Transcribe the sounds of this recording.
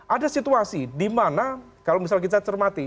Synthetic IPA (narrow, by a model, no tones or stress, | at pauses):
ʔadasit̪uasidimana | kalomis̬alk̬it̪at͡ʃərmat̪i